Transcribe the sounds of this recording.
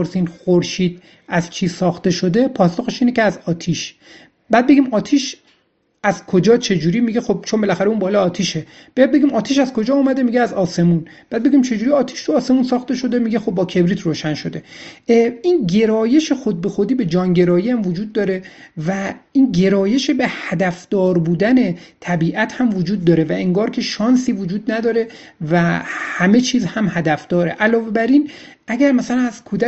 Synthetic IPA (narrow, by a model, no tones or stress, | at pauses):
oɾsinxoɾʃiːd̪̥̚ | æzt͡ʃʰiːzsɒːxt̪e̞ʃo̞d̪e̞pʰɒːsoɣeʃiːneceæzɒːt̪ʰiʃ | bæːd̪̚be̞ɡʲiːmɒːt̪ʰiːʃ | æzkʰo̞d͡ʒɒːt͡ʃʰe̞d͡ʒuːɾiːmiɟe̞xo̞b̚t͡ʃʰo̞nmbe̞læxæɾeunbɒːlɒɒːt̪ʰiːʃe̞ | b̥ejɛd̪̚be̞ɡʲimɒːt̪ʰiːʃæzkʰo̞d͡ʒɒːumæd̪e̞miɟeæzɒːse̞mun | b̥æːd̪̚be̞ɡʲiːmt͡ʃʰe̞d͡ʒuːɾiɒːt̪ʰi̥ʃt̪ʰuɒːse̞muːnsɒːxt̪e̞ʃo̞d̪emiɟe̞xob̚ːɒːkʰe̞bɾiːt̪ʰɾoːʃænʃo̞d̪e̞ | inɟe̞ɾɒːje̞ʃe̞xod̪̚be̞xod̪iːbe̞d͡ʒɒːnɟe̞ɾɒːjiæmvod͡ʒuːd̪ːɒːɾe̞væiːnɟe̞ɾɒːje̞ʃebehæd̪æfd̪̥ɒːɾbuːd̪æne̞t̪ʰæbiːʔæt̪hæmvod͡ʒuːd̪̚ːɒːɾe̞væeŋɡɒːɾcʲʰe̞ʃɒːnsiːvod͡ʒuːd̪næd̪ɒːɾe̞ | væhæme̞t͡ʃʰiːzhæmhæd̪æfd̪̥ɒːɾe̞ʔælɒːve̞bæɾin | ʔæɟʲæɾmæsælænæz̥kʰuːd̪æ